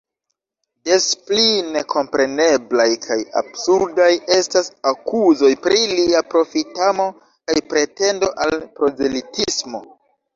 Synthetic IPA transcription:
de̞spline̞kʰo̞mpɾe̞ne̞blajkʰaja̰bsuɾdaje̞stasakuzo̞jpɾiliapɾo̞fitamo̞ | kajpɾe̞te̞ndo̞ʔalpɾo̞zelitismo̞̰

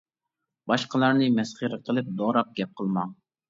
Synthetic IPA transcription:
b̥ɑʃqəlˠɑɾnɨmɛsχəɾəqʰəlˠɨp̚d̪oɾɑp̚ɡʲɛp̚qʰəlˠmɑŋ

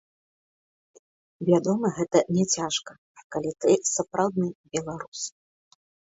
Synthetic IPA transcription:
vʲad̪ɔmɐɣɛt̪ɐnʲɛt͡sʲaʂkɐ | kalʲit̪ɨsapɾʔawd̪nɨbʲɛlˠaɾus

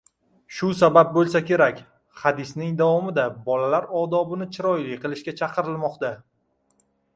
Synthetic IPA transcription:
ʃʊsabap̚bolˠsakʲe̞ɾakʲ | had̪ɪsnɪŋd̪avɒmɪd̪abɒlalaɾɒd̪ɒbɪnɪt͡ʃʰɪɾɒjlɪkʲqɨlˠɪʃkʲat͡ʃʰɑqʰɨɾɪlmɒqt̪a

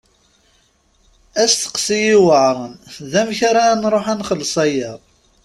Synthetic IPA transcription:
æsθə̥qsijiwəʕɾˤənðæmçaɾanɾˤoħænχəlsˤæjəðˤ

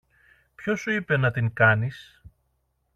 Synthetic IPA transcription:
pço̞suipe̞nɐt̪iŋkɐnis

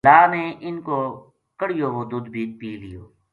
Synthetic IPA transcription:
laːneːʔɪnkoː | kəɽijoːɦʊd̪uːd̪bʱiːt͡ʃpiːlɪjoː

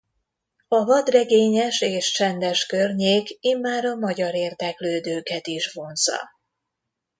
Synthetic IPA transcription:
ɒvɒd̪rɛɡeːɲɛʃeːʃt͡ʃɛnd̪ɛʃkørɲeːkiːmːaːɾɒmɒɟɒɾeːrd̪ɛkløːd̪øːkɛt̪iʃvo̞nzɒ̰

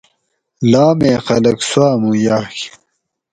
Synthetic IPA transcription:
laːmeːxɐ̰lɐkswaːmuːjaːk

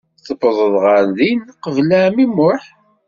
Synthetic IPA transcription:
θəbəðˤəðˤʁəɾðinqəvlæmimʊħ

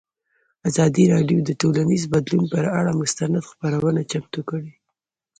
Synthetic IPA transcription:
azɑd̪iɾɑɖjod̪əʈolanizbad̪lunpəɾaɽamʊst̪anad̪xpaɾawənat͡ʃamt̪ukəɽi

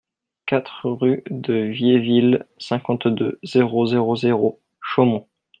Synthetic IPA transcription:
kat̪χʁyd̪əvjevilsɛ̃kɑ̃t̪d̪øz̥eʁozeʁozeʁo | ʃomɔ̃

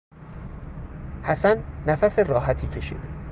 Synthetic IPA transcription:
hæsænːæfæserɒːɦæt̪ʰiːcʰe̞ʃḭːd̪̥e

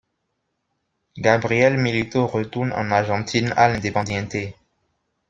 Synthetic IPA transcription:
ɡabʁiɛlmilit̪oʁət̪uʁnɑ̰̃naʁʒɑ̃t̪ʰina̰lɛ̃d̪epɑ̃d̪ɛ̃t̪e

